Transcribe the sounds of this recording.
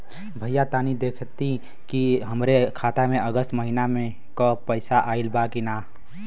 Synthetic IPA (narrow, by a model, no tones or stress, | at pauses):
bʱəjat̪aːnid̪eːkʰt̪i | kiɦəmɾekʰaːt̪amẽəɡəst̪məɦinamẽ | kəpəɪsaʔaːilbakinaː